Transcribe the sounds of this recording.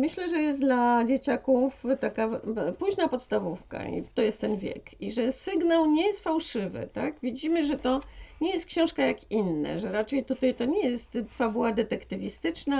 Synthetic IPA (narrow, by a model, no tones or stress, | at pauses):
mɘɕlɛʐɛjɛsd̪lad͡ʑet͡ɕakuft̪akapuʑnapɔt̪st̪avufka̰ḭt̪ɔjɛst̪ːɛnvʲjɛ̰kiʐɛsɘɡnawɲɛjɛst̪fawʂɘvɘ̰t̪akvʲid͡ʑimɘʐɛt̪ɔɲɛjɛst̪kɕɔ̃w̃ʂkajakinːɛ̰ʐɛɾat͡ʂɛjt̪ut̪ajt̪ɔɲɛjɛst̪fabuwad̪ɛt̪ɛkt̪ɘvʲist̪ɘt͡ʂna